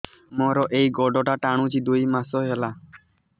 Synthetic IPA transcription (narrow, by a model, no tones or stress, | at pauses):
mɔɾɔʔeiɡɔɖɔʈaʈaɽ̃ũd͡ʒid̪oimasɔɦela